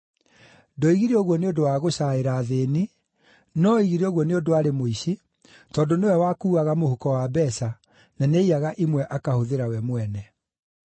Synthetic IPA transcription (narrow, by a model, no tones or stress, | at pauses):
dɔiɣiɾeɔɣwɔneodowaɣoɕaeɾaːðeːni | nɔiɣiɾeɔɣwɔneodoaɾemoiɕi | tɔːndonewɛwakuːaɣamohukɔwabɛsa | naneiaɣaʔimwɛʔakahoðeɾawɛmwɛnɛ